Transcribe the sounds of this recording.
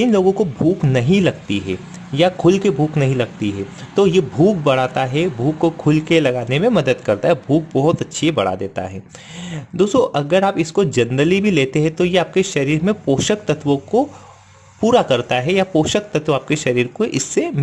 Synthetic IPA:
ɪnloːɡõkobʱuːknɐɦĩlɐɡt̪iɦɛ̰ː | jakʰʊlkebʱuːknɐɦĩlɐɡ̚t̪iɦɛːt̪ojebʱuːk̚bɐɽ̤aːt̪aɦɛbʱuːkːokʰʊlkelɐɡaːnemẽmɐd̪əd̪kɐɾt̪aɦɛbʱuːk̚bɔɦʊt̪ɐtːʃʰibɐɽ̤a̰d̪eːt̪a̰ɦɛː | d̪oːst̪oʔɐɡəɾaːpɪskod͡ʒɐnɾəlibʱileːt̪eɦɛ̃t̪ojeaːp̚keʃɐɾiːɾmẽpoːʃəkt̪ɐt̪ʋõko | puːɾakɐɾt̪aɦɛjapoːʃək̚t̪ɐt̪wõaːp̚keʃɐɾiːɾkoʔɪsːe

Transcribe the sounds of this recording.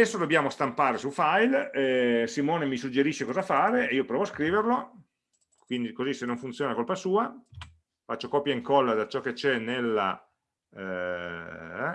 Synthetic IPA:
ɛsːod̪objaːmost̪ampaːɾesufajlɛsimɔːnemisud͡ʒeɾiʃːekɔːzafaːɾeeiːopɾɔːvoaskɾiːverlo | kwind̪ikozisenːoɱfunt̪sjoːnakolpasuːa | fat͡ʃːokɔpjaiŋkɔlːad̪at͡ʃɔkːet͡ʃɛnelːa̰

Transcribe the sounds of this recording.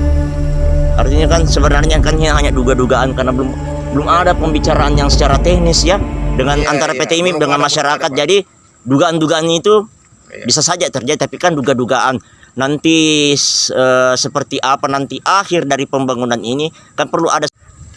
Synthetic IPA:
a̰rt̪iɲakansəbənarɲakanhinaŋaɲaduɡaduɡaʔankarnabəlʊm | bəlʊmadapəmbit͡ʃaɾaːnjaŋsə̥t͡ʃaɾat̪ɛhnɪsjadəŋanant̪aɾapet̪emidəŋanmaʃaɾakat̪̚d͡ʒadi | duɡaːnduɡaːnit̪u | bisasad͡ʒat̪ərd͡ʒadit̪apikanduɡaduɡaʔanː | ant̪i | əːsəpərt̪iʔapanant̪iʔahɪrdaɾipəmbaŋunanini | kanpərluʔa̰da

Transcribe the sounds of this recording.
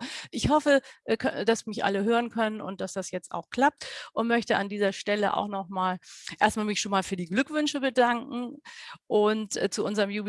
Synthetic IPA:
ʔɪçhɔfəʔkʰd̥asmɪçʔa̰ləɦøːʁ̞ənkʰœnənʊ̰nt̚d̥asd̥asjɛt͡sta̰ʊxkl̥ap̚tʔʊntmœçtəʔa̰ndiːzɐʃtɛləʔa̰ʊxnɔχmaːlʔeːɐstmaːlmɪçʃoːnmaːlfyːɐdiːɡlʏkv̥ʏnʃəbədaŋkŋ̩ʔʊntːt͡suʔʊnzəʁəmjuːb

